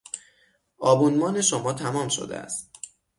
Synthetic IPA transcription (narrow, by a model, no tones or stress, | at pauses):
ʔɒːbunmɒːne̞ʃomɒːt̪ʰæmɒːmʃo̰d̪ḛæ̰st̪̚